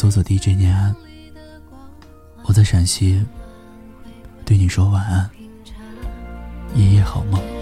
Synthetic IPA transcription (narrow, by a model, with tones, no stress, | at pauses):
t͡sɔ˥t͡sɔ˨˩t̪i˥˧˥ʈ͡ʂə˥˩njɛ˧˥˩n | wɔ˨˩t͡sa˥˩ɪʂa˨˩nɕʰi˥ | t̪we˥˩ɪni˨˩ʂwɔ˥wa˨˩˦na˥˧˩ | jɛ˨˧˥jɛ˧˥˩xɑ˨˩ʊmə˥˩